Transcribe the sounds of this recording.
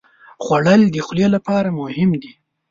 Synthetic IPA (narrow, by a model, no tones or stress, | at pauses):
xwaɽəld̪əxljelapɑɾamʊhɪmd̪i